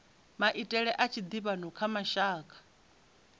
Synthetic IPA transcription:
maʔitʼɛɺɛʔat͡ʃʰid̪iβanɔkʰamaʃaːkʰʼḁ

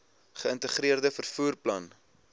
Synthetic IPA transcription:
χəəntəχɾiərdəfərfuːrplɐn

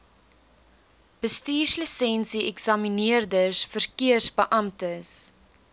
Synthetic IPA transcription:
b̥əstiːslisɛnsiɛksɐminiərdəsfərkiərsbəʔɐmtəs

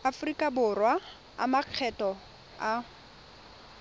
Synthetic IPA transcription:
afʊrikʼabʊrwa | a̰maq͡χʰɛtʼɔ | a

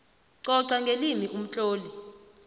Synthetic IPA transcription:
ǀɔǀaŋɡʱelimiʔum̩t͡ɬʼoːli

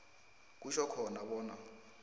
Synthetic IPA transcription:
k̬uʃɔkʰɔnaɓɔːna

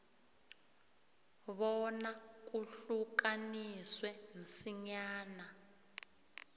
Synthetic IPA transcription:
βɔnak̬uɬukaniswɛnisiɲaːna

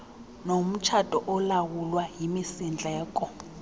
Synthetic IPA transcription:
nom̩t͡ʃʰatʼɔʔɔlawulwaɦimisind͡ɮʱɛːkʼɔ

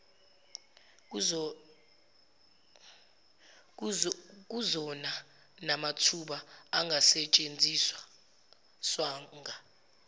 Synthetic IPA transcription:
k̬uzɔna | namatʰuɓaːŋɡʱasɛt͡ʃʼend͡zʱiswa | swaːŋɡʱa

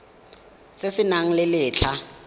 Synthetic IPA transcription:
sesɪnaŋ̩lɪlɪːt͡ɬʰa

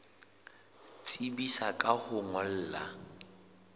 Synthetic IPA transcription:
t͡sʼibisakʼahʊŋɔl̩ːla̰

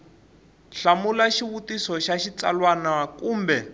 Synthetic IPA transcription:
ɬamulaʃiβutisɔʃaʃit͡sa̰lwanakuːmbɛ

